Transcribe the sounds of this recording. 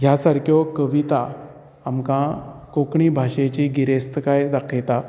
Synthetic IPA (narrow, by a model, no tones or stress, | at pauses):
ɦjasaɾkʰjɔkəʋit̪a | amkãkokɳibʱaɕet͡ɕiɡiɾest̪əkajd̪akʰet̪a